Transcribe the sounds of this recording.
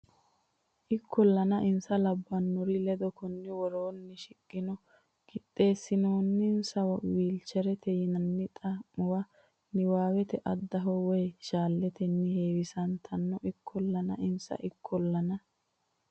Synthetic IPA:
ʔɪkʰːɔlːɐnɐʔɪnsɐlɐbːɐnːɔɾɪlɛd̪ɔkɔnːɪwɔɾoːnːɪʃɪkʼːɪnɔ | ɡɪt̪ʼːe̞ːsːɪnoːnːɪnsɐwɐwiːlt͡ʃːɛɾɛt̪ɛjɪnɐnːɪt̪ʼɐmːɔwɐ | nɪwaːwɛt̪ɛʔɐd̪ːɐɦɔwɛjʃaːlːɛt̪ɛnːɪheːwɪsɐnt̪ʰɐnːɔʔɪkʰːɔlːɐnɐ̰ɪnsɐ̰ʔɪkʰːɔlːɐnɐ

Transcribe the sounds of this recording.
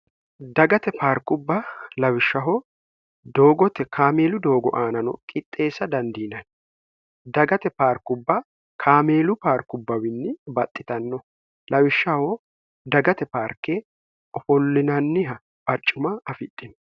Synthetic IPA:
d̪ɐɡɐt̪ɛpaːɾkʊbːɐlɐwɪʃːɐɦɔ | d̪o̞ːɡɔt̪ɛkʰaːme̞ːlʊd̪o̞ːɡɔ̰ʔaːnɐnɔ̰kʼɪt̪ʼːe̞ːsːɐd̪ɐnd̪iːnɐn | d̪ɐɡɐt̪ɛpaːɾkʊbːɐ | kʰaːmeːlʊpaːɾkʊbːɐwɪnːɪbɐt̪ʼːɪt̪ɐnːɔ | lɐwɪʃːɐhɔ | d̪ɐɡɐt̪ɛpaːɾkːeː | ɔfɔlːɪnɐnːɪɦɐ | bɐt͡ʃʼːʊmɐɐfɪɗ̪ːɪn

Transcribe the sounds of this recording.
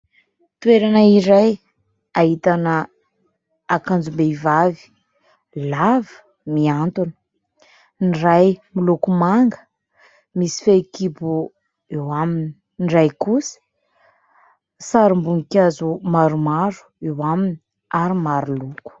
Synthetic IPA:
t̪weɾanaiɾaj | aɦit̪anə | akand͡zumbeivavi̥ | lavə̥ | miant̪uni̥ | nirajmilukumaŋɡə̥ | misi̥fekibu | ewamini̥ | nrajkusə̥ | saɾimbuŋikʲazumaɾumaɾu̥ewamini̥ | aɾimaɾuluku̥

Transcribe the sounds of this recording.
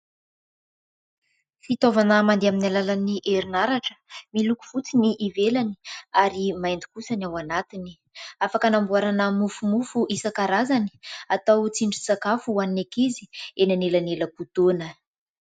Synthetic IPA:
fit̪ovanəmand̪eaminalalaniʔeɾinaɾaʈ͡ʂə̥miluku̥fut͡siniʔivelani̥aɾimajnd̪i̥kusənawanat̪ini̥ | afakənambuaɾanəmufumufuʔisəkaɾazani̥at̪awt͡siɳɖ͡ʐit͡sakafuaninekizi̥enanelaneləput̪onə

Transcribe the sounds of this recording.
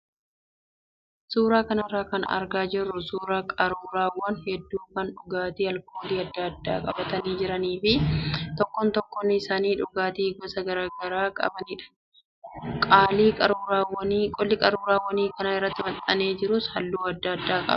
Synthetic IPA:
suːɾaːkɐnɐɪrːaːkɐ̰nɐ̰ɾɡaːd͡ʒɪrːʊsuːɾakʼɐɾuːɾaːwːɐnhɛd̪ːuːkɐnᶑʊɡaːt̪iːɐlkoːliːɐd̪ːɐɐd̪ːa̰ːkʼɐ̰bɐt̪ɐniːd͡ʒɪɾɐniːfɪt̪ɔkːɔnt̪ɔkːɔnːɪɪsaːniːᶑʊɡaːt̪iːɡɔsɐɡɐɾaːɡɐɾaːkʼɐ̰bɐniːᶑɐ̥ | kʼaːliːkʼɐɾuːɾaːwɐnːkʼɔlːɪkʼɐɾuːɾaːwːɐniːkɐnɐɪrːɐt̪ːɪmɐt̪ʼːɐneːd͡ʒɪɾʊshɐlːuːɐd̪ːɐd̪ːaːkʼɐ̰bɐ

